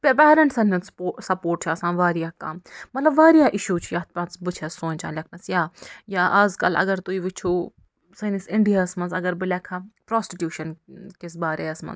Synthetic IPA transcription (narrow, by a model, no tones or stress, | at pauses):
pepɛːɾɐɳʈsɐnɐnssɐpoːɾʈt͡ʃʰaːsãːnʋaːɾijaːkɐ̰mmɐt̪lɐbʋaːɾijaːʔɪʃuːt͡ʃʰjaːt̪pɐ̃nt͡sbɨt͡ʃʰɛsõːnʲt͡ʃã̰ːnlʲɛkʰnɐsjaːjaːʔaːzkɐ̰lɐ̰ɡɐɾt̪uiːʋɪt͡ʃʰuː | sɐnisɪɳɖijaːsmɐnzɐɡɐɾbilɛkʰapɾaːsʈiʈjuːʃɐnkisbaːɾeːɐsmɐ̰nz